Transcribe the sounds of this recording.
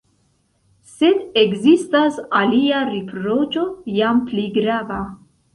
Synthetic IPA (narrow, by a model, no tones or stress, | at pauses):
se̞dekzistasaliaɾipɾo̞t͡ʃo̞jampliɡɾava